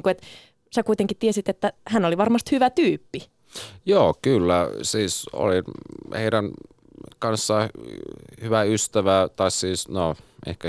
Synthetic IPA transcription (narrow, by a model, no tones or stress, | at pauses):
ŋkuet̪ | sækuit̪eŋkit̪iesit̪et̪ːæhænoliʋɑrmɑst̪hyʋæt̪yːpːi | joːkylːæsiːso̰linheiɾæn | kɑnsːɑ | hyʋæyst̪æʋæt̪ɑissiːsnoʔḛhkæ